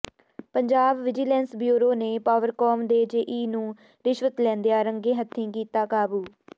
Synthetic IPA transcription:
pəɲd͡ʒaːbʋɪd͡ʒiːlɛ̃ːnsbjuːɾoːneːpaːʋəɾkɔːmd̪eːd͡ʒeʔiːnũː | ɾɪʃʋət̪lɛ̃ːnd̪ejaːɾəŋɡẽːɦət̪ʰːĩːkiːt̪aːkaːbuː

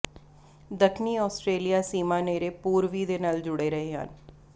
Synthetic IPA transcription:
d̪əkʰniːɔːsʈɾeːlijaːsiːmãːneːɾeːpuːɾʋiːd̪eːnaːld͡ʒʊɽeːɾəɦeːɦə̰n

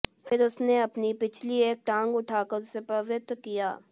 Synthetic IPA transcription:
fʰɪɾʊsneɐpnipɪt͡ʃʰlieːk̚ʈãːŋɡʊʈʰaːkəɾsepɐʋɪt̪ːkija̰ː

